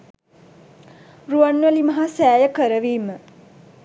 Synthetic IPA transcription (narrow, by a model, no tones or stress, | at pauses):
ruanːʋəlimɐɦasæːjəkəɾəʋiːmə